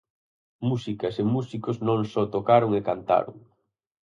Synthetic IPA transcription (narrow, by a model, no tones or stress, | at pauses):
musikɐsemusikʊznõŋsɔt̪okaɾʊŋekant̪a̰ɾʊ̰ŋ